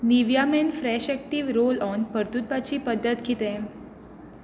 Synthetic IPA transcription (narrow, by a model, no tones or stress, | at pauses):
niʋjamenfɾɛɕɛk̚ʈiʋɾolɔnpəɾt̪ut̪̚bat͡ɕiːpəd̪ʱːət̪ɡit̪ẽ